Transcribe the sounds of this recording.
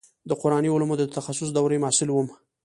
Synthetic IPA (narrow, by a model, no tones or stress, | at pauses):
d̪əqʊɾɑniʊlamod̪ət̪axasʊs̬d̪awɾəjmɑsɪlwəm